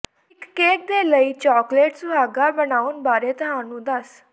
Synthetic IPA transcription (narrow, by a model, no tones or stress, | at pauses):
ikːek̚d̪eləit͡ɕɔkleʈsuaɡabənauːnbaɾet̪əɦanũd̪as